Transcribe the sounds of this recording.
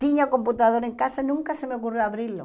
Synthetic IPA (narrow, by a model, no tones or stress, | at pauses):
t̪iɲako̞mput̪aðoɾeŋkasanũŋkasemeokurjoaβɾilo̰